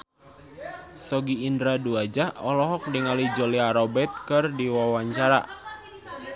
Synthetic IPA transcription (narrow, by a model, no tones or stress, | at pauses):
sɔɡiːndɾaduad͡ʒaɔlɔɦɔk̚diŋalid͡ʒɔliaɾɔbɛt̪̚kɨrdiwawaɲt͡ʃaɾa̰